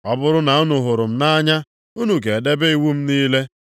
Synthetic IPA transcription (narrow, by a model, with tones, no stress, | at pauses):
ɔ˦bʊ˦ɾʊ˦na˨u˦nu˨ɦʊ˨ɾʊ˨m̩˦na˦ɲa˦ | u˦nu˨ke˨de˦be˦i˨wu˦m̩˦niː˦le˦